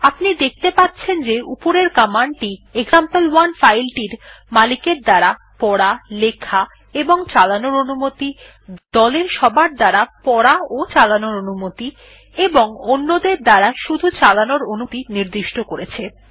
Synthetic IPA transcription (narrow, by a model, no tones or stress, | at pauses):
apnid̪ek̚ʰt̪epatːt͡ɕʰend͡ʑeʔupoɾeɾkamaɳʈieɡzampelwanfajlʈiɾmalikeɾd̪aɾa | pɔɽalekʰa | eboŋt͡ɕalanoɾonumot̪i | d̪̥ɔleɾʃɔbaɾd̪aɾapɔɾaot͡ɕalanoɾonumot̪i | eboŋonːod̪eɾd̪aɾaʃud̪ʱut͡ɕalanoɾonut̪iniɾd̪iʃʈokoɾet͡ɕʰe